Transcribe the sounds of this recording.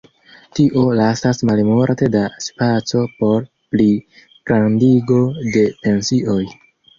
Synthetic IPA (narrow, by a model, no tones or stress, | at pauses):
tiʔo̞lasasmalmoɾtedaspat͡so̞po̞ɾ | pli | ɡ̥ɾandiɡo̞de̞pe̞nsiʔo̞j